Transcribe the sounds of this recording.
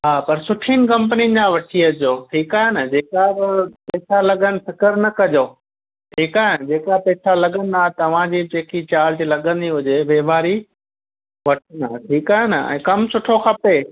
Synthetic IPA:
ɦaːpɐɾsʊʈʰinɪ̆kɐ̃mpənid͡ʑãʋɐʈʰiəd͡ʑoːʈʰiːkaːɦenɐd͡ʑeːkaɾpɛːsalɐɠənɪ̆fɪkəɾnɐkɐd͡ʑoː | ʈʰiːkaːɦend͡ʑeːkapɛːsalɐɠə̃nɪ̆d̪aːɦet̪ɐʋ̤ãd͡ʑiːd͡ʑeːkit͡ɕaːlt̪ilɐɠə̃n̆d̪iɦʊd͡ʑeʋeːbaːɾi | ʋɐʈʰənaɦeʈʰiːkaːɦenɐɛ̰̃ːkɐmsʊʈʰoxɐpe

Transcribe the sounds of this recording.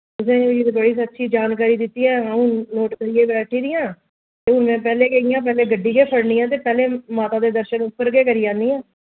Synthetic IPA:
ʊs̬ẽneːʋɪt̪bəɽiːsətːʃʰiːd͡ʒaːnkaːɾiːd̪ɪt̪ːiːɛːãnoːʈkəɾiːeːbɛːʈʰiːd̪ɪjãː | t̪eːɦʊnmɛ̃ːpɛːleːkeɪjãːp̬ɛːleːɡəɖːiːkeːpʰəɽniːãːt̪̬eːpɛːleːmaːt̪ãːd̪eːd̪əɾʃənʊpːəɾɡeːkəɾiːãːnd̪iːɛ̃ː

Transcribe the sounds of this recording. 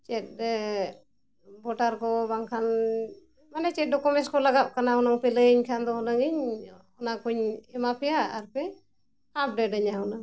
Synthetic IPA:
t͡ʃɛt̚ | bɔʈaɾkɔbaŋkʰan | manɛt͡ʃɛt̚ɖɔkɔmɛnskɔlaɡap̚kanaɔnaŋpɛləiɲkʰand̪ɔɦɔnaŋiɲɔnakuɲɛmapʰɛjaaɾpɛ | ap̚ʰɖɛʈəɲaɦunaŋ

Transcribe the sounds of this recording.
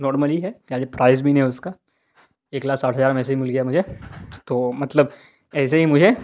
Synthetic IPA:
nɔːɾməliɦɛkaːd͡ʒepɾaːɪzbʱiːnɦɛʊska | eːklaːksaːʈɦəd͡ʒaːɾmɛːseɦimʊlɡɪjaɦɛmʊd͡ʒʱet̪oːmɐt̪ləb | ɛːs̬eɦimʊd͡ʒʱe

